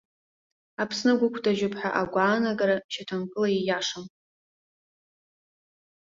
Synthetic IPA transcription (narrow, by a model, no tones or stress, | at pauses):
apʰsnɨɡʷʊkʷʰdʼaʒʊpʰʼħʷaʔaɡʷaːnaɡaɾaʃatʰamkʼɨlaijaʂam